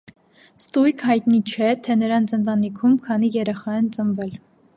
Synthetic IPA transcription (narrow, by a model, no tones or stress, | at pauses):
st̪ujkʰhɑjt̪nit͡ʃʰɛt̪ʰɛnəɾɑnt͡sənt̪ɑnikʰumkʰɑnijɛɾɛχɑɛnt͡səmvɛl